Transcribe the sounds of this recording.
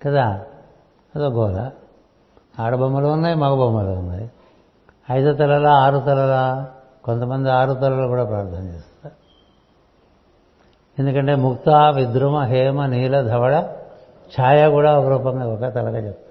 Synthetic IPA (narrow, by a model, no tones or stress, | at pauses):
kɐt̪aː | ɐd̪oɡɔːlɐ̰ | aːɽɐbʱɐmbɐlɐʋɐnːɐjmɐɡɐbʱɐmːɐlɐʋɐnːɐj | ɐjd̪ɐt̪ɐlɐlɐaːɾut̪ɐlɐlɐ | kont̪ɐmɐnd̪iaːɾut̪ɐlɐlɐkuːɽapɾaːɾt̪ʰanɐt͡ʃḛːst̪ːe | end̪ukɐɳʈemukt̪aːʋid̪ɾumɐɦeːmɐniːlɐd̪ʱɐʋɐɭɐ | t͡ʃʰaːjɐkuːɽɐɐkɐɾuːpɐŋɡɐɔkːɐt̪ɐlɐkɐt͡ʃɐ